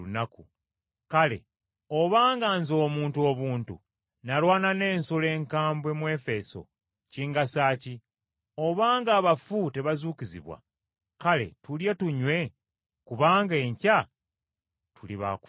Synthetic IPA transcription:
unakṵ | kale̞̰ | o̞βaːŋɡaːnzo̞ːmuːntuo̞ːβuːntṵ | nalwaːnane̞ːnsole̞ːŋkaːmbwe̞mwe̞ːfe̞so̞̰ | ciːŋɡasaːci | o̞βaːŋɡaːβafute̞βazuːcizḭβwa̰ | kale̞̰tulje̞tuɲwe̞ | kuβaːŋɡe̞ːɲca | tuliβa̰ku̥

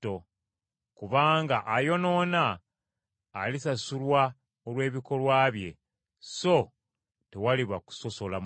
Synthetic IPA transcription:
o | kuβaːŋɡaʔajo̞no̞ːnaː | lisasulwa | olwe̞ːβiko̞lwaːβje̞ | so̞ | tewaliβaku̥so̞so̞la

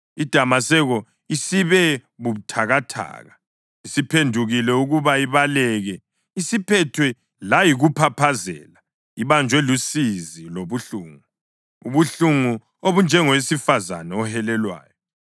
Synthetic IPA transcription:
id̥ʱamasɛɣɔ | isiβɛβutʰaɣatʰa̰ːɣa | isipʰendʱuɣilɛuɣuβaiβalɛɣɛ | isipʰɛtʰwɛ | lajiɣupʰapʰazɛ̰ːla | iβand͡ʒʱwɛlusiziloβuɬuːŋu | uβuɬuŋu | oβund͡ʒʱɛŋɔwesifaza̰nɛɔhɛlɛlwa̰ːjɔ

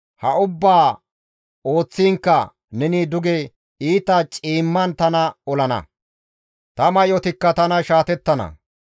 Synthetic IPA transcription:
hɐʊbːaː | o̞ːt͡sːiːŋkːɐ | nɛnid̪ʊɡɛ | iːt̪ɐt͡ʃʼiːmːɐnt̪ɐnɐɔlɐnɐ̰ | t̪ɐmɐjɔt̪ɪkːɐt̪ɐnɐʃaːt̪ɛt̪ːɐnɐ̰

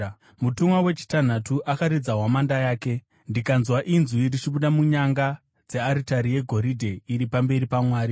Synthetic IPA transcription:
mutumwawe̞t͡ʃi̥tan̤atuʔakaɾid͡zaɦwamandajaːke̞ | ndikanzwaʔinzurit͡ʃiɓuɗamuɲaŋɡa | d͡ze̞aɾitaɾije̞ɡʱo̞ɾidʱe̞iɾipambe̞ɾipamwaːɾi

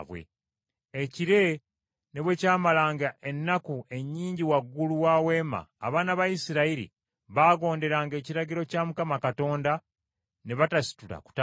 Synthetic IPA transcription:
βwḛ | eciɾe̞ | ne̞βwe̞ːcaːmalaːŋɡaʔe̞nːakue̞ɲːiːɲɟiwaɡːuluwaːwe̞ːma̰ːβaːnaβajisiɾaiɾḭ | βaːɡo̞ːnde̞ɾaːŋɡe̞ːciɾaɟiɾo̞camukamakato̞ːnda | ne̞βatasi̥tula̰ku̥ta

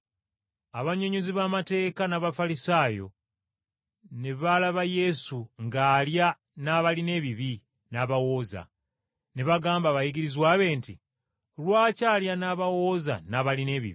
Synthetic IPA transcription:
aβaɲoɲoziβamate̞ːkanaβafalisaːjo̞̰ | neβalaβaje̞suŋɡaːlja | naβaline̞βiβi | naβawo̞ːza̰ | neβaɡaːmbaːβajiɡiɾizwaːβe̞ːnti | lwaːcaːljanaːβawo̞ːza̰naβaline̞βḭβi

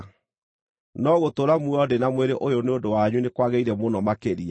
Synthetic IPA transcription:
nɔɣotoɾamuɔdenamweɾeʔojoneondowaɲunekwaɣeiɾɛmonɔmakeɾia

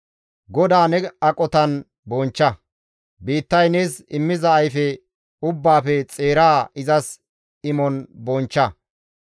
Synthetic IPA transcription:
ɡɔd̪aːnɛɐkʼɔt̪ɐn | bɔnt͡ʃːɐ | biːt̪ːɐjneːsɪmːɪzɐːjfɛ | ʊbːaːfɛt͡sʼeːɾaːɪzɐs | ɪmɔnbɔnt͡ʃːɐ

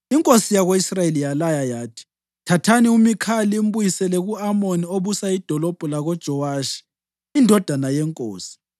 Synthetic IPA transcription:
iŋkʼosijaɣoisraelijalajajaːtʰi̥ | tʰatʰaniumikʰalim̩bujisɛlɛɣuamonioβusaid̥ʱɔlɔb̥ʱulaɣɔd̥ʒ̥ʱɔwaːʃi̥ | indʱɔd̥ʱanajɛŋkʼo̰ːsi̥

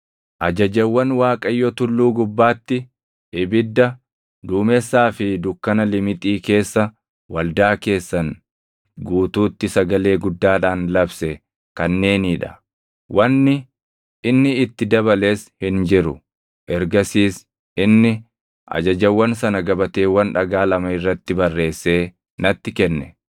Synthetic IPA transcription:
ʔɐd͡ʒɐd͡ʒɐwːɐnwaːkʼɐjːɔt̪ʊlːuːɡʊbːaːt̪ːɪ | ʔɪbɪd̪ːɐ | d̪uːmɛsːaːfɪd̪ʊkːɐnɐlɪmɪt̪ʼiːke̞ːsːɐ | wɐld̪aːke̞ːsːɐn | ɡuːt̪uːt̪ːɪsɐɡɐle̞ːɡʊd̪ːaːᶑaːnlɐbsɛ | kɐnːe̞ːniᶑɐ̰ | wʔɐnːɪ | ɪnːɪːt̪ːɪd̪ɐbɐle̞ːshɪnd͡ʒɪɾʊ | ʔɛɾɡɐsiːs | ɪnːɪ | ʔɐ̰d͡ʒɐd͡ʒɐwːɐnsɐnɐɡɐbɐt̪e̞ːwɐnᶑɐɡaːlɐmɐɪrːɐt̪ːɪbɐrːe̞ːsːe̞ː | nɐt̪ːɪkɛnːɛ̥

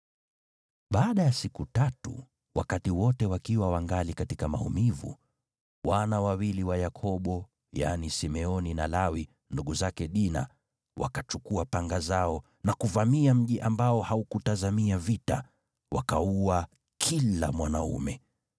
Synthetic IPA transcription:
ɓaːɗajasikutatṵ | wʔa̰katiwɔtɛwakiwawaŋɡalikatikama̰ṵmivṵ | wanawawiliwajakʰɔɓɔ | ja̰nisimɛɔninalawi | nduɠuzakɛɗina̰ | wa̰kat͡ʃukuapaŋɡazaɔ | nakuvamiam̩ʄiʔambaɔhaukutazamiavita̰ | wakaua | kʰila̰mwanaṵmɛ

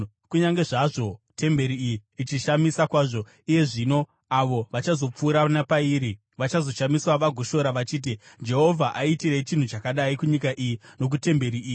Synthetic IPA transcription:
kuɲaŋɡe̞ʐaʐo̞te̞mbe̞ɾiijiːt͡ʃiʃamisakwaːʐo̞ | ije̞ʐino̞ | aʋo̞ʋat͡ʃazo̞p͡fuːɾanapaiɾi | ʋat͡ʃazo̞ʃamiswaʋaɡʱoʃo̞ɾaʋat͡ʃiːt̬id͡ʒe̞ɦovʱaʔaitiɾet͡ʃin̤ut͡ʃakaɗaikuɲikaʔijino̞k̬ute̞mbe̞ɾiiːi

